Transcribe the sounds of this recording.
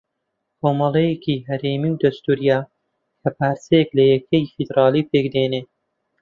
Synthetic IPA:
koːmɐlˠejekiɦɐɾeːmiwd̪ɐst̪uːɾijaː | kʰɐpaːɾsejeklɐjɛkʰɐjfid̪ɾɑːlipekd̪ene

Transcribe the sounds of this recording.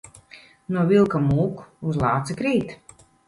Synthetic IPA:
nuɔvilˠkamuːkuzlˠɑːt̪sɨkɾiːt̪

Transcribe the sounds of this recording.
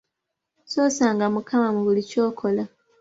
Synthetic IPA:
soːsaːŋɡamukʰamamuβulico̞ːkʰo̞la

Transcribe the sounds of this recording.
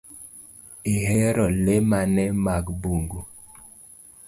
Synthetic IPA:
eɦɛɾɔlemanɛmaɡbuŋɡu

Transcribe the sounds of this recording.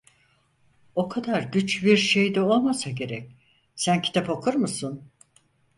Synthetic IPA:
o̞kʰad̪aɾɟyt͡ʃbiɾʃe̞jd̪ɛo̞lˠmasaɟe̞ɾɛc | sæncʰi̥t̪ʰapokʰuɾmusun

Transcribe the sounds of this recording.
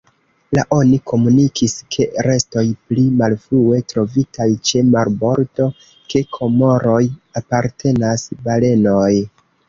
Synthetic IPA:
laʔo̞nikʰo̞munikʰiskʰe̞ɾe̞sto̞jplimalfɾue̞tɾo̞vitʰajt͡ʃe̞maɾbo̞ɾdo̞ | ke̞kʰo̞mo̞ɾo̞japaɾtʰe̞nasbale̞noj

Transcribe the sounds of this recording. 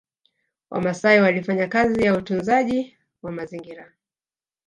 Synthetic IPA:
wʔa̰masaiwalifaɲakazijautunzaʄi | wamaziŋɡiɾa

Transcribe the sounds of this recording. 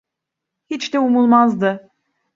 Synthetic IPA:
hit͡ʃd̪ɛumulˠmazd̪ɯ

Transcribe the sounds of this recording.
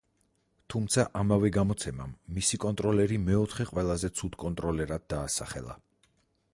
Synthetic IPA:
t̪ʰumt̪sʰaʔamavɛɡamɔt̪sʰɛmamːisikʼɔnt̪ʼɾɔlɛɾimɛɔt̪ʰχɛqʼwɛlˠazɛt̪sʰud̪̥kʼɔnt̪ʼɾɔlɛɾad̪̚ːaːsaχɛ̰lˠa̰

